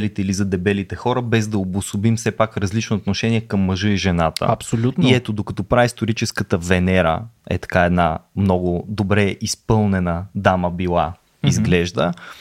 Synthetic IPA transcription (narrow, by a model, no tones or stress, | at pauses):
ɛlit̪ɛilizɐd̪ɛbɛlit̪ɛxɔɾəbɛzd̪ɐobʊsobimfsɛpakɾɐzlit͡ʃnooːt̪noʃɛniɛkɐmːɐʒɤiʒɛnat̪ə̰ɐpsolʲut̪niɛt̪od̪okɐt̪ɔpɾaist̪oɾit͡ʃɛskət̪əvɛnɛɾə̰ɛ̰t̪ɐ̥kaɛd̪na̰mnɔɡʊd̪obɾɛʔispɤlˠnɛnəd̪aməbilˠa | izɡlɛʒd̪ə̰